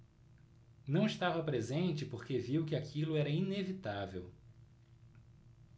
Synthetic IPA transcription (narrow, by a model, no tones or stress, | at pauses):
nɐ̃w̃ɪʃt̪avɐpɾezẽnt͡ʃɪpoɾkeviwkɪakʰilʊɛɾɐinevit̪avew